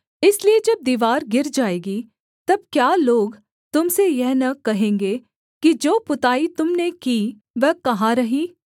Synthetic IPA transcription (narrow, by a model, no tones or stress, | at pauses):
ɪslied͡ʒɐb̚d̪iːʋaːɾɡɪɾd͡ʒaːeːɡi | t̪ɐb̚kjaːloːɡ | t̪ʊmsejɛɦnɐkɐɦẽːŋɡeː | kid͡ʒoːpʊt̪aːit̪ʊmnekiː | ʋɛkɐɦaɾɐɦiː